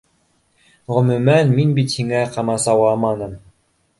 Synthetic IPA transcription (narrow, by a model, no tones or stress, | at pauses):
ʁɵ̆mʉ̆mænminbit̪hiŋæqɑmɑsɑwɑmɑnɤm